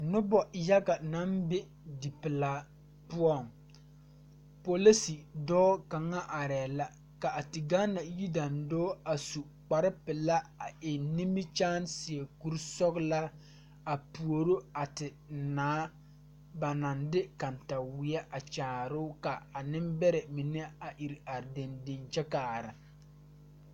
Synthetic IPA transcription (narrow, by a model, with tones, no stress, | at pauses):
nʊ˦bɔ˨ja˦ɡa˨na˦mbɪ˦ | di˨pɪ˨laː˨ | pʊ˦ɔ˦˨ŋ | po˨li˦si˨dɔː˦ka˨ŋa˦ʔa˨ɾɛː˨la˦ | ka˨a˨tɪ˨ɡa˦na˨ji˦da˨ndoː˦a˨su˨ | k͡pa˨ɾɪ˦pɪ˨la˦a˨ʔɪ˨ni˦mi˦t͡ʃaː˦nsɪ˨ɛ˨ku˦ɾsɔ˦kla˦ | a˨pu˨o˨ɾo˦a˨tɪ˨ | naː˦ | ba˨na˨ndɪ˦ka˨nta˨wɪ˨˦ɛ˦ʔa˨t͡ʃaː˨ɾʊ˦ka˨a˨nɪ˦mbɛ˦ɾɛ˨mi˨nɛ˦a˨ʔi˨ɾa˨ɾde˨nde˨nt͡ʃɛ˦kaː˨ɾɪ˨